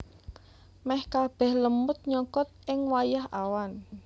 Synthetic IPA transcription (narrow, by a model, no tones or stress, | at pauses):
mɛhkab̥ɛ̤hləmʊt̪̚ɲɔkɔt̪̚ɪŋwajaha̰wan